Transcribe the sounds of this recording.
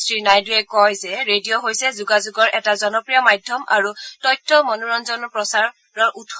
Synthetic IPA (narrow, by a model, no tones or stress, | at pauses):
sɹinajduɛkɔjzɛɹedijoɦojsɛzuɡazuɡɔɹʔɛtazɔnɔpɹijɔmajdʱjɔma̰ɹutɔjtʰːɔmɔnuɹɔnzɔnpɹɔsaɹ | ɹɔɹʔut